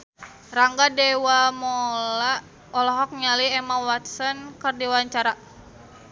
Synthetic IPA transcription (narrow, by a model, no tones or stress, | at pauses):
raŋɡadɛwamɔla | ɔlɔɦɔk̚ɲaliɛmawat̪sɔnkərdiwaɲt͡ʃaɾa